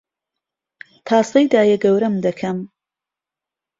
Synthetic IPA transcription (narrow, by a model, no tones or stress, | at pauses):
t̪ʰaːsɐjd̪aːjɛɡɐwɾɐmd̪ɐkʰɐm